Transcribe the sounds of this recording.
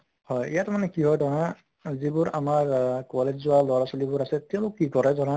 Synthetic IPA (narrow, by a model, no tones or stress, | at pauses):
hɔjijatmanɛkiɦɔjdɔɹa | zibʊɹa̰maɹkɔled͡ʑzʊwalɔɹasɔlibʊɹasɛtɛ̃ʊ̃lʊkːikɔɹɛzɔɹã